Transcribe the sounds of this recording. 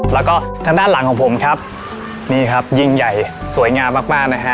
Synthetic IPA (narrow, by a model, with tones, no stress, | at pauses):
lɛː˦˥wkɔː˥˩t̪ʰaː˧ŋdaː˥˩nla˨˩˦ŋkʰɔː˩˦ŋpʰo˩˦mkʰa˦˥p̚ | niː˥˩kʰa˦˥p̚ji˧ŋja˨˩jsu˨˩˦jŋaː˧mːaː˥˩k̚maː˥˩k̚na˦˥kʰa˦˥